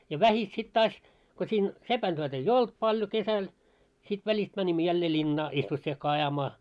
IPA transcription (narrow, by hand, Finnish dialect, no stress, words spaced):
jɑ ʋæhit sit tɑːs ko sʲiːn sepæntyøt eij olt pɑljo kesæl sit ʋælʲist mænʲimːø jælːeː lʲinːɑː isʋosːiekːɑː ɑjɑmɑː